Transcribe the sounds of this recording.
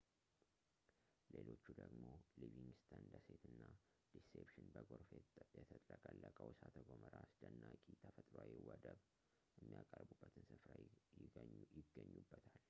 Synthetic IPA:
lelo̞t͡ʃːud̪əɡmo̞liviŋɡst̪ʰand̪əset̪ʰɨnːa | d̪̥isepʃɪnbəɡoɾfejɛt̪ʰət̪ʼləkʼəlːəkʼəwsat̪ʰəɡoməɾasd̪ənːakʼit̪ʰəfət̪ʼɾoajɛwɔd̪əb | jɛmːijakʼərbubːət̪ʰɨnsɨfɾa | jɪɡːəɲːubːət̪ʰal

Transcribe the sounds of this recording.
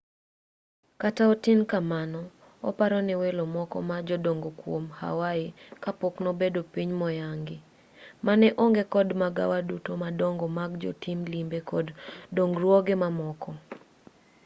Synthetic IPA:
kataotinkamanɔ | ɔ̰paɾɔnɪwelomɔkɔ̰mad͡ʒɔdoŋɡokwomha̰waɪkapoknɔbedopiɲmɔjaŋɡɪ | manɛʔoŋɡekɔdmaɡa̰wadutomadoŋɡɔmaɡd͡ʒo̰timlimbekodːoŋɡɾwɔɡemamɔkɔ

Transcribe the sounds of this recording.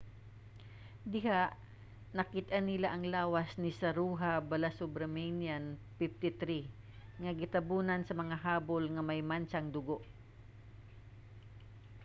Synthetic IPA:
d̪ɪɦaʔ | nɐkɪt̪ʔanːɪlaʔɐŋlaːwasnɪsɐɾuːɦabalasubɾɐmɛnjanfɪft̪ɪt̪ɾi | ŋɐɡɪt̪ɐbuːnɐnsɐmɐŋaɦaːbolŋɐmajmant͡ʃaŋd̪ʊɡoʔ

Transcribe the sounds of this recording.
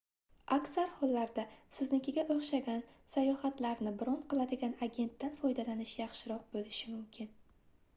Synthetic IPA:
akʲsaɾhɒlːaɾd̪asɪznɪkʲɪɡʲaʔoχʃaɡʲansajɒhat̪laɾnɪbɪɾɒnqʰɨlˠad̪ɪɡʲanaɡʲe̞nt̪ːanfɒjd̪alanɪʃjɑχʃɪɾɒq̚bolɪʃɪmʊmkʲʰɪn

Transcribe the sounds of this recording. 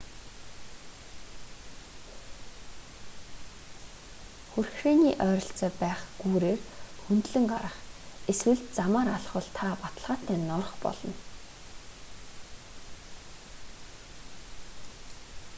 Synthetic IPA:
xurxʃeːniːʔœːɾɞ̆ɬt͡sœːpæːχɡ̥uːɾeːrxunt̪ɮɘ̆ŋɢaɾə̆χeswɘ̆ɮt̪t͡samaːɾaɮχwʊ̆ɮt̪ʰapat̪ə̆ɮʁaːt̪æːnɔrχpɔ̰ɮɞ̆n

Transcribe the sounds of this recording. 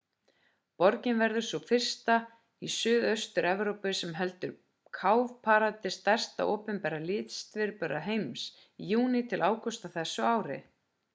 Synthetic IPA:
pɔɾcɪnvɛɾðʏ̥sɔfɪr̥st̪a | isʏːðœst̪ʏɾɛvɾowpʏsɛmɦɛlt̪ʏɾ | kʰawvpʰaɾat̪ɪst̪ɛr̥st̪a̰ʔoːpʏmpɛːɾalɪːt̪st̪vɪɾpœɾaɦejms | ijuːnɪt̪ʰɪlʔaːwkɔst̪aθɛsːʏaːwɾɪ̰

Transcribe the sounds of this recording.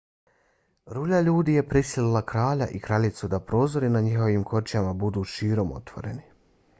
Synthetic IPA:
ɾuːʎaʎuːd̪iːje̞pɾisililˠakɾaːʎa̰ʔikɾaʎit̪sud̪apɾo̞ːzo̞ɾinaɲixo̞ʋiːmkʰo̞t͡ʃjamabud̪uːʃiːɾo̞mo̞̰t̪ʋo̞̰ɾe̞̰ni

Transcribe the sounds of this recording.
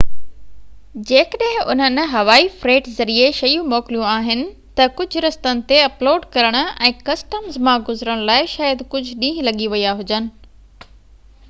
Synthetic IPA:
d͡ʑeːkəɗə̃ɦɪ̃ʊ̰n̤ənɦɐʋaːifɾeːʈzɐɾieʃɐjũmɔːkɪlijũaːɦɪnɪ̆ | t̪ɐkʊd͡ʑʱʊɾɐst̪ənɪ̆t̪eɐploːɖkɐɾəɽ̃ʊ̆ɛ̃ːkɐsʈəmzmãɡʊzɾəɽ̃laːɪʃaːjəd̪kʊd͡ʑʱʊɗĩːɦlɐɠiʋɐjaɦʊd͡ʑənɪ̆

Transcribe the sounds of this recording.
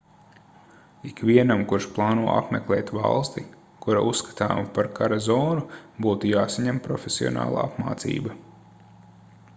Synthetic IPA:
ikʋʲiɛnamkuɾʃplˠɑːnuɔʔa̰pmeklˠeːt̪vɑ̰lˠst̪i | kuɾaʔusːkḁt̪a̰ːmupaɾkʰaɾazɔːnubuːt̪ujaːsaɲɛmpɾɔfʲesiɔ̰na̰ːlˠa̰ːapma̰ːt̪sḭːbɐ

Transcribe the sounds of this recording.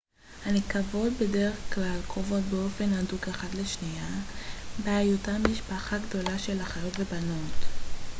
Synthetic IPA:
hanekavo̞d̚be̞de̞ʁeχklalkʁovo̞tbeo̞fe̞nadukeχadleʃnija | beajutamiʃpaχaɡdo̞laʃe̞laχajo̞tve̞bano̞t

